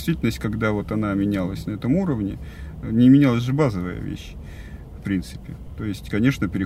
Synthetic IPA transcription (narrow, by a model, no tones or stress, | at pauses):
ɪst̪vʲitʲɪlnəsʲtʲkɐɡd̪avo̞t̪ɐnamʲɪnʲalˠəsʲnɐɛt̪əmuɾəvnʲɪnʲɪmʲɪnʲalˠəsʲʐɨbazəvə̰jə̰vʲḛɕː | fpɾʲint̪sɨ̥pʲɪt̪o̞jɪsʲtʲkɐnʲe̞ʂnəpʲɪɾʲɪ